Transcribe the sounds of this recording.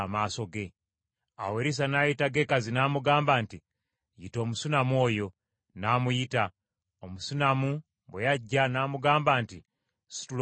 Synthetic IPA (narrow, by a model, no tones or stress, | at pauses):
maːso̞ɡe̞ | a̰weɾis̬anajitaɡe̞kazinaːmuɡaːmbanti | jito̞ːmusunamwo̞ːjo̞ | namujita | omusunamu | bwejaɟːanaːmuɡaːmbaːnti | si̥tul